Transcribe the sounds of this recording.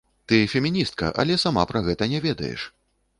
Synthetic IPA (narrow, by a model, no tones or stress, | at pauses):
t̪ɨfʲɛmʲinʲist̪̚kɐ̰ʔɐ̰lʲɛsama̰pɾɐɣɛt̪ɐnʲɛvʲɛd̪ɐ̰jɛ̰ʂ